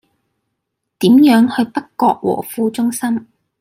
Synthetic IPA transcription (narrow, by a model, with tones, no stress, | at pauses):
t̪iː˨˥mjœː˨˥ŋhɵ˧ɥpɐ˥kːɔː˧k̚wɔ̰ː˨˩fuː˧t͡ʃʊ˥ŋsɐ˥m